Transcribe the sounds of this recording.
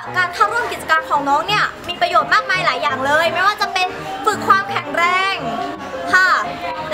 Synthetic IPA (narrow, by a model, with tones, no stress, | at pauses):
kaː˧nt̪ʰa˥˩wɾu˥˩mki˨˩t̪̚t͡ɕa˧kaː˧nkʰɔː˩˦ŋnɔː˦˥ŋni˥˩ɐmiː˧pɾa˧joː˨˩t̪̚maː˥˩k̚maː˧jlaː˩˦jːaː˨˩ŋlɤː˧jma˥˩waː˥˩t͡ɕa˨˩pe˧n | fɯ˨˩kʰːwaː˧mkʰɛ˨˩˦ŋɾɛː˧˥˩ŋ | kʰa˥˩